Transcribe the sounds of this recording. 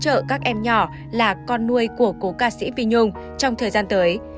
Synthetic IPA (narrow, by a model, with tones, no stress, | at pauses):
t͡ɕə̰ː˧˨kaː˦˥k̚ʔɛ˧mɲɔ˧˩ | laː˨˩kɔ˧nːu˧əjku˧˩əko˨˦kaː˧˩sḭ˧˥vi˧ɲʊ˧ŋ͡m | t͡ɕɔ˧wŋ͡mt̪ʰəː˨˩jzaː˧nt̪əː˨˦j